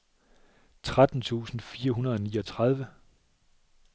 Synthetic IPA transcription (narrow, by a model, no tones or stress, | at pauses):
t͡sʰʁad̥n̩t͡sʰṵːsn̩fiːɐɦunɐðˠɒ̽niːɒ̽t͡sʰʁɑð̞ˠʋə